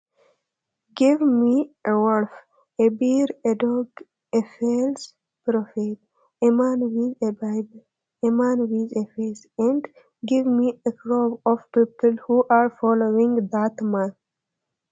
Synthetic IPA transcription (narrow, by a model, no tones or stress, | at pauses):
ɡiʋmiewoɾf | ebiɾeɖoɡ | efels | pɾofet̚ | emãnwizebajb | emãnwizefes | ɛ̃ɳɖ | ɡiʋmiekɾobɔfpiːpəlhuʔaɾfɔloĩŋɡd̪at̪mãn